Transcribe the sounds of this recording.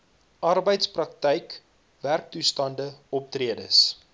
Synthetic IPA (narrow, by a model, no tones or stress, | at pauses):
ʔɐrbəjtsprɐk̚təjk | værk̚tustɐndəɔp̚triədəs